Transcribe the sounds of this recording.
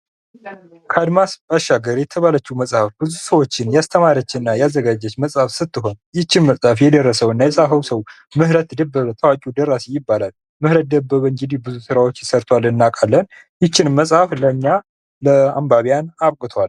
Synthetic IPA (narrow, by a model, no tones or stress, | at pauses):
kʰad̪masbaʃːaɡəɾjɛt̪ʰəβalət͡ʃːuməsʼhafbɨzusəwo̞t͡ʃːɪnjast̪ʰəmaɾət͡ʃːɪnːajɛazːəɡad͡ʒɛt͡ʃːməsʼhafsɨt̪ːɨɦo̞njɪt͡ʃːɪnməsʼhafjɛd̪ərːəsəwɨnːajɛsʼafəwsəw | mɨhɾət̪d̪əbːəβət̪ʰəwakʼud̪ərasijɪbːalal | mɨhɾət̪̚d̪əbːəβəŋɡɨd̪ihbɨzusɨɾawo̞t͡ʃːɪsəɾt̪ʰwalɨnːakʼalːən | jɪt͡ʃːɪnmːəsʼhafləɲːa | ləambaβijanaβkʼɨt̪ʰwal